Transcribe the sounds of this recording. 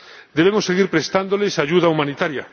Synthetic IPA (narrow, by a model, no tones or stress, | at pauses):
d̪eβ̞emosːeɣ̞iɾpɾest̪and̪olesaʝuðaumãnit̪aɾja